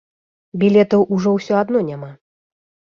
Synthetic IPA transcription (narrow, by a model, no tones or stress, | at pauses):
bʲilʲɛt̪ɐwʔuʐɔwsʲɔad̪nɔnʲama